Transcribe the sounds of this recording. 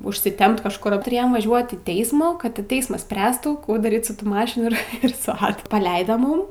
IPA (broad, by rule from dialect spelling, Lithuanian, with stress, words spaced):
ʊʃʲsʲɪˈtʲɛmp kɐʃˈkʊr tʊˈrʲeːjoːm ʋɐˈʒʲuɔt iː ˈtʲɛɪsmuː kɐt tʲɪ ˈtʲɛɪsmɐs ˈsʲpʲrʲæːstuː ˈkuː dɐˈrʲiːt sʊ ˈtuː ˈmɑːʃʲɪnuː ɪr ɪr sʊ ˈɑːdʊ pɐˈlʲɛɪdoː ˈmuːm